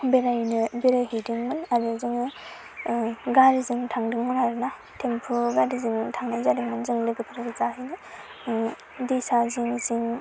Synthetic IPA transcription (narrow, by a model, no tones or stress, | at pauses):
beɾajnɯbeɾajɦɯjdɯŋmɯnaɾɯzɯŋɯ | ɡaɾizɯŋtʰaŋdɯŋmɯnaɾɯna | tʰempʰuɡaɾizɯŋtʰaŋnazadɯŋmɯnzɯŋlɯɡɯpʰɯɾaɡɯzaɦɯjnɯ | disaziŋiziŋ